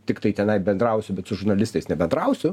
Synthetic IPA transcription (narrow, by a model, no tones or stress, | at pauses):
t̪ʲɪkt̪ɐɪtʲɛnɐɪbʲɛnd̪ɾɐʊsʲʊbʲɛt̪sʊʒʊɾnɐlʲɪst̪ɐɪsnʲɛbʲɛnd̪ɾɐʊsʲʊ